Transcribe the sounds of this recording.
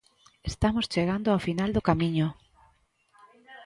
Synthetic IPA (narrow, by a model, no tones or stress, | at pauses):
est̪amʊst͡ʃeɣand̪ʊawfinald̪ʊkamĩɲʊ